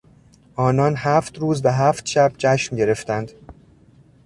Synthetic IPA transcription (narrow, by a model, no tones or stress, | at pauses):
ʔɒːnɒːnhæːft̪ɾuːzvæɦæːft̪ʃæb̥̚t͡ʃʰæʃmɟe̞ɾe̞ft̪ænd̪̥